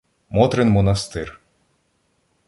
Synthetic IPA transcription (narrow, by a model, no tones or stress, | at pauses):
mɔt̪ɾenmɔnɐst̪ɪr